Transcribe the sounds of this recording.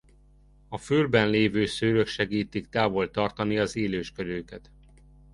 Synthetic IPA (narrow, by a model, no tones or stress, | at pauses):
ɒfylbɛnleːvøːsøːɾøkʃɛɡiːt̪ikt̪aːvo̞lt̪ɒrt̪ɒniɒzeːløːʃkøɾøːkɛt̪